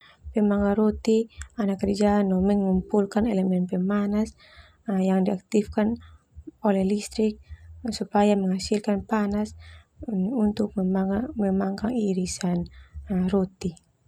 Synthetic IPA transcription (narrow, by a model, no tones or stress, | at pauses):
pɛmaŋaɾɔt̪ianakəɾd͡ʒanɔmɛŋmumpulkanɛlɛmɛnpɛmanas | jaŋdiak̚t̪ifkan | ɔlɛhlist̪ɾik̚supajamɛŋasilkanpanas | unt̪ʊk̚mɛmaŋkaŋiːɾisanrɔt̪i